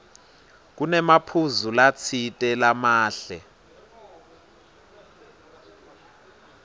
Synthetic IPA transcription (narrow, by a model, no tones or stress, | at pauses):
k̬unɛmapʰuzulat͡sʰitʼɛlamaːɬɛ